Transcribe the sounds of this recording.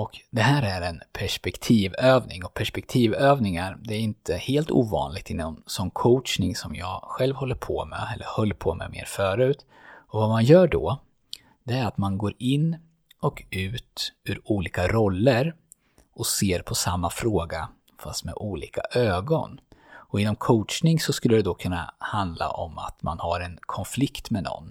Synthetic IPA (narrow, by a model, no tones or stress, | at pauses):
ɔkd̪ɛɦæːɾæɾɛnpʰæʂpɛkt̪ʰiːvøːvnɪŋɔpʰæʂpɛk̚t̪ʰiːvøːvnɪŋaɾd̪ɛæɾɪnt̪ʰəheːlt̪ṵːvɑ̰ːnlɪɡ̥̚t̪ɪnːɔmsɔnːkʰɔʊtt͡ʃnɪŋsɔmjɑːɡɧɛlvhɔlːəɾpʰɔmɛ̰ɛlːə̰ɾhɔlːpʰɔ̰mɛ̰mḛːɾfœːɾʉ̟ːt̪ | ɔvamanjœːɖɔ̰ | d̪ɛæɾat̪manɡoːɾɪnː | ɔkʉ̟ːt̪ʉɾuːliːkaɾɔlːəɾ | ɔseːɾpʰɔsamːafɾoːɡa | fast̪mɛ̰ʔuːlḭːka̰ʔøːɡɔ̰nɔɪnːɔmkʰoːtt͡ʃnɪŋsɔskɵlːəd̪ɛd̪ɔkʰɵnːa̰hand̪la̰ʔɔ̰ma̰t̪manhaɾɛnkʰɔnflɪkt̪mɛnɔ̰nː